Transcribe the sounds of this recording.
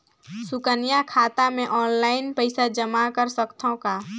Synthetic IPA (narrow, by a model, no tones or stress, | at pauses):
sʊkənijakʰaːt̪amẽʔɔːnlaːɪnpəɪsad͡ʒəmakəɾsəkt̪ʰõka